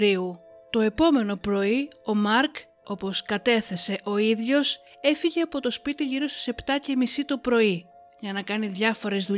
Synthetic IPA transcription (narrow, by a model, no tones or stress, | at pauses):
ɾiu | t̪o̞e̞po̞me̞no̞pɾo̞io̞mɐɾk | o̞po̞skɐt̪e̞θe̞se̞ʔo̞iðʝo̞s | e̞fiʝe̞ɐpo̞t̪o̞spit̪iʝiɾo̞st̪i̥se̞pt̪ɐce̞misit̪opɾo̞i | ʝɐnɐkɐniðʝɐfo̞ɾe̞zðu